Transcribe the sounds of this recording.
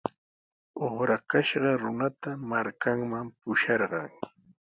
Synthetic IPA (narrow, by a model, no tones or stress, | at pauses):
oχɾakaʃɢɑɾʊnat̪amaɾkaŋmampʊʃɑɾɢɑŋ